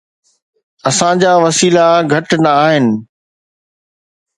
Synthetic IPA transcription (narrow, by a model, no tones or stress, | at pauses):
ɐsãd͡ʑaːʋɐsiːlaɡʱɐʈnɐːɦɪnɪ̆